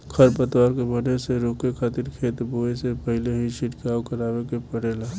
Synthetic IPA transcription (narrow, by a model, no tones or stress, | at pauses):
kʰɐɾpət̪waːɾkebɐneseɾoːkekʰaːt̪ɪɾkʰeːt̪boːesepɐɦɪleɦit͡ʃɪʈkaːwkɐɾaːʋekepɐɽ̤eːlaː